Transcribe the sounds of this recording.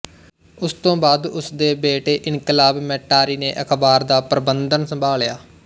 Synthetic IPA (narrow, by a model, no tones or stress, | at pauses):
ʊst̪õːbaːd̪ʊsd̪eːbeːʈeːʔɪnkɪlaːbmɛːʈːaːɾiːneːʔəkʰbaːɾd̪aːpɾəbənd̪ənsəmbʱaːljaː